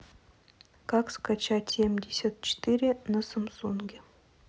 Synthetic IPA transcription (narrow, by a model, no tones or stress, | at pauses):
kakskat͡ɕatʲsʲemʲdʲɪsʲat̪̚t͡ɕɪ̥t̪ɨɾʲɪnəsəmsunɡʲɪ